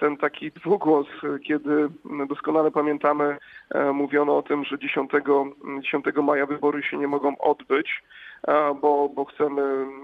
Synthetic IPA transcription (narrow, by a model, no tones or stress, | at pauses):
t̪ɛnt̪akʲʰid̪vuɡwɔskʲɛd̪ɘd̪ɔskɔnalɛpamʲjɛnt̪amɘmuvʲjɔnɔɔt̪ɘmʐɛd͡ʑeɕɔ̃nt̪ɛɡɔd͡ʑeɕɔ̃nt̪ɛɡɔmajavɘbɔɾuɕɛɲɛmɔɡɔ̃w̃ʔɔ̰d̪bɘt͡ɕ | bɔbɔxt̪sɛmɘ